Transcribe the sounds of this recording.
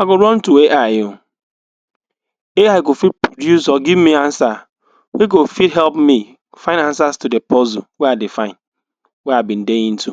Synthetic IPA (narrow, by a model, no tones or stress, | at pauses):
aɡoɾɔ̃ntueʔajo | eajɡofit̚pɹodjusɔɡivmiãnsa | weɡofidɦɛlpmi | faɪ̃nãnsastudepɔzuwɛadɪfaɪ̃n | wɛabĩn̩deĩn̩tu